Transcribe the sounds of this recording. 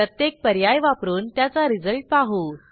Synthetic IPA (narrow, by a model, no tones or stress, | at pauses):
ət̪jek̚pəɾjajʋapɾuːnt̪jat͡saɾid͡zəɭʈ̚paɦuː